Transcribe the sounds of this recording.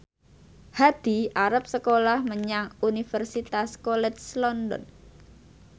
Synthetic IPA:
had̪̥i̤aɾap̚səkolahməɲaŋunifərsit̪askolɛt͡ʃslɔndɔ̰n

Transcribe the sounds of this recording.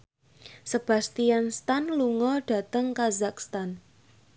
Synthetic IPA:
səb̥a̤st̪ianst̪anluŋɔɖ̥a̤t̪əŋkazak̚st̪an

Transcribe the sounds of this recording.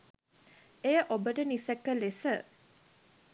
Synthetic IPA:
ejəʔobəʈənisekːəlesə

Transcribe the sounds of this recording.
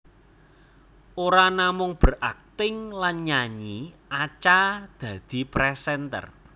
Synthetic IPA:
ʔoɾanamʊŋb̥ə̤rʔak̚t̪ɪŋlanɲaɲiat͡ʃad̪̥ä̤d̪̥i̤pɾɛsɛnt̪ə̰r

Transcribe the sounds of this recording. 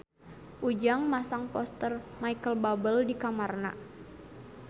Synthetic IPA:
ʔud͡ʒaŋmasaŋpɔst̪ərmajkəlbabəldikamarna̰

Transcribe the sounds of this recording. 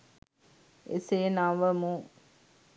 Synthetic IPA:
ḛseːnaʋəmu

